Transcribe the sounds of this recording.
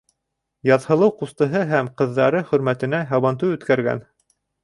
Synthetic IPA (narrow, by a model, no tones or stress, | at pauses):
jɑðhɤ̆lˠɤwqust̪ɤ̆ɦɤɦæmqɤ̆ðːɑɾɤχɵ̆ɾmæt̪ɘ̆næɦɑβɑnt̪ɤʉt̪kæɾɡæ̰n